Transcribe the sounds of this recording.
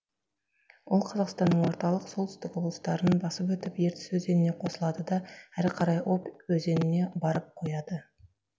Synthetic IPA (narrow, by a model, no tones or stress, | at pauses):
wolˠqʰɑzɑqst̪ɑnːəɴwo̞ɾt̪ɑlˠəqsolˠt̪ʏɪst̪ɪko̞blˠəst̪ɑɾənbɑsəpwɵt̪ɪpje̞ɾt̪ɪ̥swɵze̞nɪne̞qʰo̞səlˠɑd̪əd̪ɑæɾqʰɑɾɑjo̞pwɵze̞nɪne̞bɑɾəp̚qʰo̞jɑd̪ə